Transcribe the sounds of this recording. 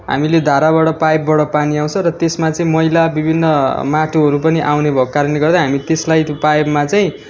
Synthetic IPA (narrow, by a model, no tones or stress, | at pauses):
ɦa̰miled̪ʱaɾaβaɽʌpajbbʌɽʌpaniaw̃t͡sʰʌ̃ɾʌt̪esmat͡sʌĩmʌilabibʱinːʌmaʈuɦʌɾupʌniʔawnebʱʌkːaɾʌneɡʌrd̪ʌɦamit̪eslajt̪opajbmat͡saĩ